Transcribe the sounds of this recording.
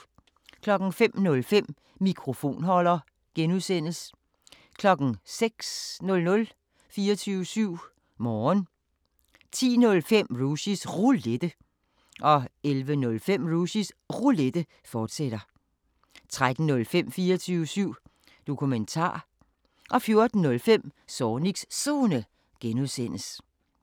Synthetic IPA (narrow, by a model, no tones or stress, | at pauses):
kʰlɒ̽ɡ̥n̩fem̰nɔ̽lfem̰ | mikʰʁo̝fo̝̰ːnhɒ̽l̰ɐ | ɡ̥enuðˠsen̰l̩s | kʰlɒ̽ɡ̥n̩seɡ̥snɔ̽lnɔ̽l | fiːɐt͡sʰyːʊəsyʊ̰ | mɒːn | t͡sʰḭːnɔ̽lfem̰ʁusisʁuled̥ə | ʔɒ̽elʋənɔ̽lfem̰ʁuɕisʁuled̥ə | fɒːd̥seɾ̥ɐ | t͡sʰʁad̥n̩ːɔ̽lfem̰fiːɐɒt͡sʰyːʊəsyʊ̰ | d̥o̝kʰument͡sʰɑ̰̈ː | ʔɒ̽fjo̝ɐd̥n̩ːɔ̽lfem̰sɒːniɡ̥ssonə | ɡ̥enuðˠsen̰əs